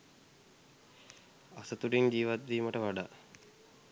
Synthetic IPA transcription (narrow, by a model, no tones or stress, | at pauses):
asət̪uɖiɲd͡ʒiːʋat̪̚d̪iːməʈəʋaɖaː